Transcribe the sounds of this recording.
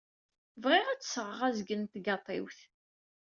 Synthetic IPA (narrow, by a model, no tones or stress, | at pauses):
vʁɪʁæt͡sːsʁəʁæzɡənt̪ɡɑt̪ˤɪ̰wθ